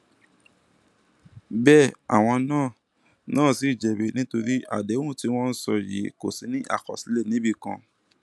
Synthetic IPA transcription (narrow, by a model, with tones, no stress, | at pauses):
bɛː˦˨a̰˨w̃ɔ̃˧nãː˦˨ | nãː˦˨si˨˦i˦˨d͡ʒɛ˨be˨˦nĩ˦to˧ɾi˦a̰˦˨dẽ˨˦˨ti˧˦w̃ɔ̃˦n̩˦sɔ˧jḭ˨˦ko˨si˨˧˦nĩ˦ʔa̰˦˨kɔ̰˨si˨˦le˦˨nĩ˨˦bi˧kã̰˧